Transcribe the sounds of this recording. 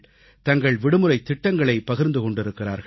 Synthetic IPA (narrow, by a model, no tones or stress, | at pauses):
t̪ɐŋɡɐɭʋɪɽɯmɯɾɐɪt̪ːɪʈːɐŋɡɐɭɐɪpɐɣɪɾnd̪ɯkɔɳɖɪɾɯkːɪra̰ːɾɣɐ